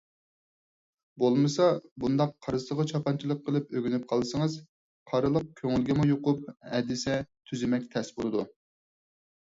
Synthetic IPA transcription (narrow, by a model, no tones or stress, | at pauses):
bolˠmɨsɑbund̪ɑqʰːɑɾɨzəʁɑt͡ʃʰɑpɑnt͡ʃʰilˠəqʰːəlˠɨpøɡʲynyp̚qʰɑlˠɨsɨŋɨz | qʰɑɾɨlˠəq̚kʲʰøŋylɡʲimujoqʊpɛd̪ɪsɛt̪ʰyzɪmɛkʲt̪ʰɛsbolˠɨd̪u